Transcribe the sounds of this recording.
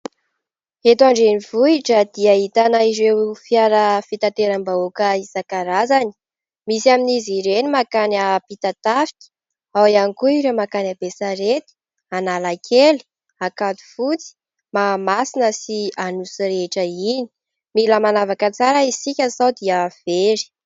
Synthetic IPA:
et̪uaɳɖ͡ʐenivuiʈ͡ʂəd̪iaɦit̪anaizwefiaɾəfit̪at̪eɾambaukəizakaɾazani̥ | misiaminiziɾenimakanapit̪at̪afi̥kʲi̥ | awianikuiɾemakanabesaɾet̪i̥ | analakʰeli̥ | akad̪u̥fut͡si̥ | mamasinəsianusɾeʈ͡ʂəini̥ | miləmanavakət͡saɾəisikʲəsawd̪iav̥eɾi̥

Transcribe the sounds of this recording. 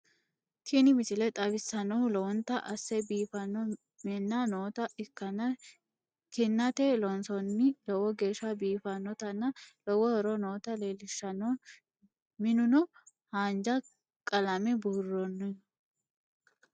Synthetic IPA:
t̪ʰinɪmɪt͡ʃɪlɛt̪ʼɐbɪsːɐnɔwlɔwɔnt̪ːɐʔɐsːɛbiːfɐnːɔ | mɛnːanoːt̪ɐɪkːɐnɐ | kɪnːɐt̪ɛlɔnsɔnːɪlɔwɔɡe̞ːʃːɐbiːfɐnːɔt̪ɐnːɐlɔwɔhɛɾɔnoːt̪ɐleːlɪʃːɐnɔ | mɪnʊnɔ | haːnd͡ʒɐ | kʼɐlɐmɛburːɔnː

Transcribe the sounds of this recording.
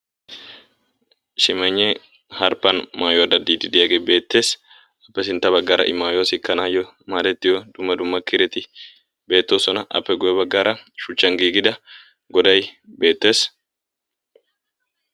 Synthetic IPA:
ʃɪmɐɲːɛ | hɐɾpːɐnmaːjoɐd̪ɐd̪ːiːd̪ɪd̪ɪjaɡebe̞ːt̪ːe̞ːs | ɐpːɛsɪnt̪ːɐbɐɡːaːɾɐ̰ʔɪmːaːjosɪkːɐnaːjɔ | maːd̪ɛt̪ːɪjɔd̪ʊmːɐd̪ʊmːɐkɪɾɛt̪ɪ | be̞ːt̪ːo̞ːsɔnɐʔɐ̰pːɛɡʊjɛbɐɡːaːɾʔɐʃʊt͡ʃːɐŋɡiːɡɪd̪ɐ | ɡɔd̪ɐjbe̞ːt̪ːe̞ːs

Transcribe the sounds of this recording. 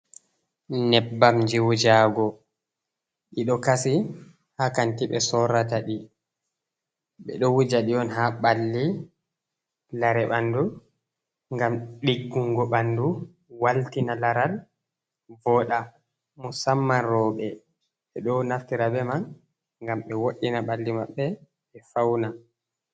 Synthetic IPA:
nɛbːamɲd͡ʒiwud͡ʒaːɡɔ | ɗiɗɔkasi | hakantiɓɛ̰sɔɾataɗi | ɓɛ̰ɗɔwud͡ʒaɗiɔnɦaɓalːi | laɾɛɓandu | ŋɡamɗiɡːuŋɡɔɓandu | waltinalaɾal | vɔɗa | musamːanɾɔːɓɛ | ɓɛɗɔnaftiɾabɛman | ŋɡamɓɛwoɗːinaɓalːimaɓːɛ | ɛfawna

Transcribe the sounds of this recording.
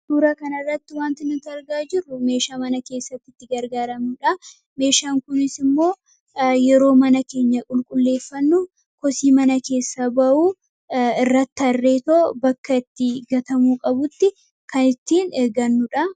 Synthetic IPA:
d̪̥uːɾɐkɐnɐrːɐt̪ːɪwaːnt̪ɪnʊt̪ɐɾɡaːd͡ʒɪrːʊme̞ːʃaːmɐnɐke̞ːsːɐt̪ːɪt̪ːɪɡɐɾɡaːɾɐmʊᶑɐ | me̞ːʃaːŋkʊnɪsɪmːo̞ː | jɛɾo̞ːmɐnɐke̞ːɲːɐkʼʊlkʼʊlːe̞ːfːɐnːʊ | kɔsiːmɐnɐke̞ːsːɐbɐʔuː | ɪrːɐt̪ːɐrːe̞ːt̪obɐkːɐɪt̪ːɪɡɐt̪ɐmuːkʼɐbʊt̪ːɪ | kɐnɪt̪ːiːnɛɡɐnːʊᶑɐ

